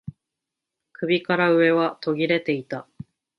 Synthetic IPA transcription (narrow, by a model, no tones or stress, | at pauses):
kɯ̟bʲikaɾaɯ̟e̞βat̪o̞ɡʲiɾe̞t̪e̞it̪a